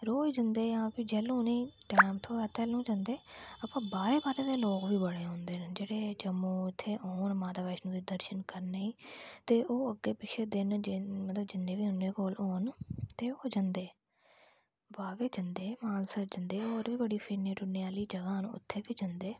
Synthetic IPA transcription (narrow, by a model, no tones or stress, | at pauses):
ɾoːd͡ʒənd̪eːãːpiːd͡ʒɛːlũːneiːʈaːmt̪ʰõːɛːt̪ɛːlũːd͡ʒənd̪eːəpãːbaːɾeːbaːɾeːd̪eːloːkʋiːbəɽeːɦõːnd̪eːnːd͡ʒeːɽeːd͡ʒəmːũːɪt̪ʰːeːoːnmaːt̪aːbaːʃnũːd̪iːd̪əɾʃənkəɾneiːt̪eːʔoːəɡːeːpɪʃeːd̪ɪnd͡ʒmət̪ləbd͡ʒɪnːẽːʋiːɦʊnːeːkoːloːnt̪eːoːd͡ʒənd̪eː | ʋaːʋeːd͡ʒənd̪eːmaːnsəɾd͡ʒənd̪eːoːɾʋiːbəɽiːpʰɪneːʈʊnejaːliːd͡ʒəɡaːn̰ːʊ̰t̪ʰːeːʋiːd͡ʒənd̪eː